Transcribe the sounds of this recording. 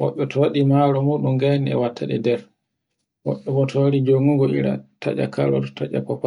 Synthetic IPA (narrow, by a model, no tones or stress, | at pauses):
wɔ̰ɓːɛtʰɔwaɗimaɾɔmuːɗuŋɡaːniɛ̰watʰːaɗɛ̰dɛɾ | wɔ̰ɓːɛbɔtʰɔwaɾid͡ʒoŋuɡɔʔḭɾa̰ta̰ʄa̰kʰalɔtɔ̥taʔa̰kɔpa